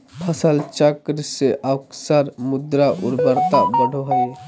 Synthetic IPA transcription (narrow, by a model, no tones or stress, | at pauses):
pʰəsəlt͡ʃəkɾiseʔəwksəɾmʊd̪ɾaʔʊ̰ɾbəɾt̪abəɽ̤ʱoɦəɛ